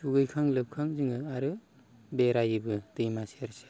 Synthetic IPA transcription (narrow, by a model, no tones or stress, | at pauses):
suɡɯjkʰaŋlɯp̚kʰaŋzɯŋɯaɾɯ | beɾajibɯdɯjmaseɾse̥